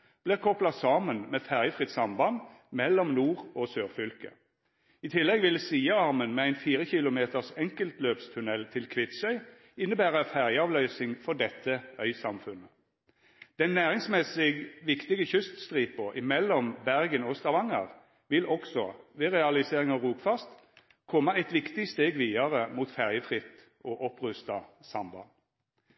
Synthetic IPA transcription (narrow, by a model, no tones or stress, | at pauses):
b̥liːʁkʰɔplɑsɑːmənmeːfæʁjəfʁɪt̪sɑmbɑnd̪mɛlːɔmnuːʁosøːʁfʏlkə̰ | ɪt̪ʰɪlːɛɡʋɪlsiːəɑʁmənmeːæɪnfiːʁəçɪlʊmeːt̪əʁsɛŋkəlt̪løːpst̪ʰʉnɛlt̪ʰɪlkʰʋɪt̪sœʏ | ɪnːəbæːʁəfæʁjəɑːʋlœʏsɪŋfɔʁd̪ɛt̪ʰːəœʏsɑmfʉnːə | d̪̥ɛnːæːʁɪŋsmɛsɪɡʋɪkt̪ɪɡəçʏst̪st̪ʁiːpɔʔɪmɛlːɔmbæʁɡənɔst̪ɑʋɑŋə̰ʁ | ʋɪlʔɔksɔʋɛːʁɛɑlɪseːʁɪŋɑʁuːpfɑst̪ | kʰɔmːəæɪt̪ʋɪkt̪ɪst̪eːɡʋiːɑʁəmuːt̪fæʁjəfʁɪt̪ | ʔoːʔɔpʁʉst̪ɑsɑmbɑ̰